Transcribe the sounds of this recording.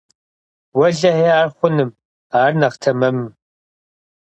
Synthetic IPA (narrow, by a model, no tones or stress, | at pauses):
wɐɮɐheːaːrχʷʊnɨm | aːrnɐʁtʰɐmɐmɨm